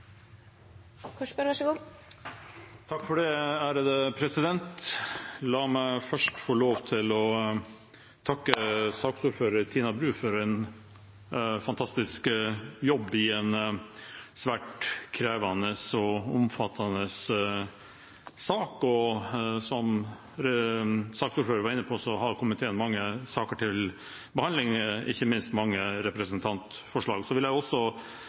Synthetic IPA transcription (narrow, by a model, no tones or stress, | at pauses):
kʰɔʂpəɾʋɑʃəɡuː | t̪ʰɑkːfɔɖɛæːɾəd̪əpʰɾɛsɪd̪ɛnt̪ | lɑːmæɪfœʂʈfɔːɭoːʋt̪ʰɪlɔ | t̪ʰɑkːəsɑːksuːɾføːɾəɾt̪ʰiːnɑbɾʉːfɔɾɛn | fɑnt̪ʰɑst̪ɪskjɔbːɪɛn | sʋæːʈkʰɾeːʋɑnəsɔʊ̰mfɑt̪ʰːɑnəs | ɑːkɔsɔm | ɾsɑːksuːɾføːɾəɾʋɑɾɪnːəpʰɔsɔhɑɾkʰɔmːət̪ʰɛnmɑŋːəsɑːkəʈʰɪl | bəhɑnd̪lɪŋɪ̰çːəmɪnst̪mɑŋːəɾɛpɾəsənt̪ʰɑnt̪ | fɔʂɭɑːɡsɔʋɪljæɪɔsːɔ